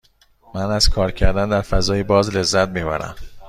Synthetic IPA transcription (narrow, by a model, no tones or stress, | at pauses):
mænæz̥kʰɒːɾcʰæɾd̪ænd̪æɾfæzɒːjebɒːzle̞zːæt̪miːbæ̰ɾæ̰m